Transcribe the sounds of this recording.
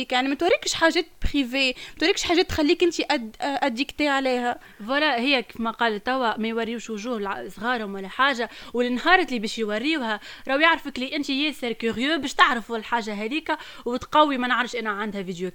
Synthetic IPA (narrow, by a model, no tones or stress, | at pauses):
iːkjaʕnimæt̪waɾˤːɪkʃħaːʒɛːt̪̚bɣiveːmæt̪waɾːˤɪkʃħaːʒɛːt̪ːxælːiːkʔɪnt̪iʔæd̪ʔæd̪ːiːkt̪eːʕlɛːhæ | wælæhɪjːækfmæqɑːlt̪æwːæmæjwɑrːiʃwʊʒuːhsˤɣɑːɾˤhʊmwælːæħaːʒawɪlɪnhɑːɾˤlibɛːʃjwɑrːiːwhæɾˤɑwjaʕɾfəkliʔɪnt̪ijɛːsɪɾkyɾjøːbɛːʃt̪aʕɾəfulħaːʒaɦæd̪iːkawt̪qɑwːimænəʕɾˤɑfʃʔænæʕand̪hævid̪jo